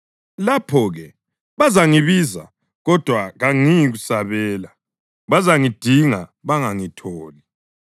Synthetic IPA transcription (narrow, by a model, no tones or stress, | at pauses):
lapʰɔɣɛ | βazaŋiβiza̰ | ɣɔd̥ʱwaɣaŋijiɣusaβɛːla | βazaŋid̥ʱiŋaβaŋaŋitʰɔːli